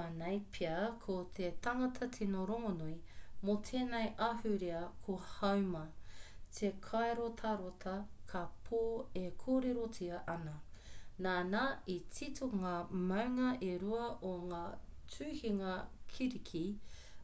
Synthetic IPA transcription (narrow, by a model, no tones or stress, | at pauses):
anɐjpʰiɐkʰot̪ʰet̪ɐŋɐtʰɐtʰenoɾoŋonojmotʰeːnɐjʔahʉɾiɐkʰohɐwmɐtʰekʰaeɾotʰɐɾotʰɐkʰapʰoːekʰoːɾeɾotʰiɐʔɐnɐnaːnait͡sitoŋaːmɐwŋɐʔeɾuɐʔoŋaːt͡sʰʉːhiŋɐkʰiɾikʰi